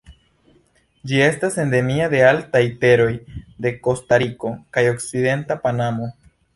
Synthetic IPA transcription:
d͡ʒie̞stase̞nde̞miade̞altajte̞ɾo̞jde̞ko̞staɾiko̞kajo̞kside̞ntapanamo̞

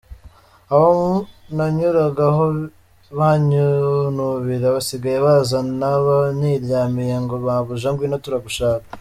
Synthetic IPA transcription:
aβamunaɲuɾaɡaɦo | βaɲunuβiɾaβasiɡajeβazanaβaniɾɟaːmijeŋɡoβaβuʒaŋɡwinatuɾaɡuʃaːkḁ

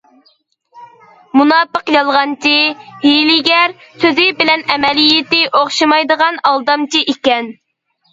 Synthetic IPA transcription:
munɑːpəqjɑlˠʁɑnt͡ʃʰihilɪɡʲɛɾsøzɪbɪlɛnɛmɛlijɪt̪ɪʔoχʃɨmɑjd̪əʁɑnɑlˠd̪ɑmt͡ʃʰiʔikʲɛn

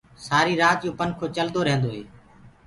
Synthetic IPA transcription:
saːɾiːɾaːt͡ʃjoːpənkʰoːt͡ʃəld̪oːɾẽːnd̪oːɦḛː

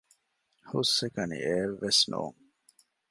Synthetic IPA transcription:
husːekɐnḭeːʋːesno̰ːŋ

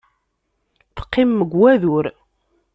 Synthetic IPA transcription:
θə̥qːimːəɡwæðʊɾ

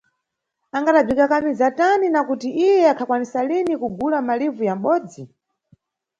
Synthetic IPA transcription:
aŋɡaɗab͡ʐikakamizataninakutiʔijɛakʰakwanisalinikuɡulamalivujam̩ɓɔːd͡zi

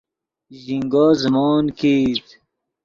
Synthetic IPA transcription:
ʑiŋɡɔːzəmɔːnkiːt̪

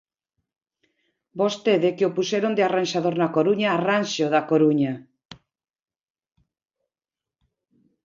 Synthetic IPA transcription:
bost̪eðekeopuseɾond̪earanʃaðoɾnakoɾuɲaːranʃoðakoɾuɲa

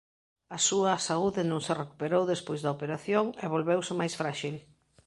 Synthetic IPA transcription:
ɐsuɐsauðɪnõŋsereku̥peɾowðespojzðɐopeɾaθjoŋeβ̞olβewsɪmajsfɾaʃil

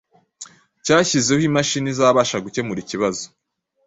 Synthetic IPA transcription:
caːçize̞himaʃinizaːβaːʃaɡuce̞muɾiciβazo̥

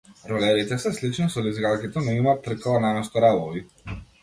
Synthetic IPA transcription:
ɾɔlɛɾit̪ɛsɛslit͡ʃnɔsɔlizɡalˠkʲɛt̪ɔnɔimat̪r̩kalˠanamɛst̪ɔɾabɔvi

